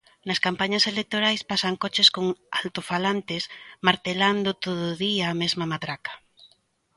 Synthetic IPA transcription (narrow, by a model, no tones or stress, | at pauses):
nɐskampaɲɐselek̚t̪oɾajspasaŋkɔt͡ʃɪskoŋa̰lt̪ofalant̪ɪsmaɾt̪eland̪ʊt̪oðʊðiaːmɛzmɐmat̪ɾakɐ̥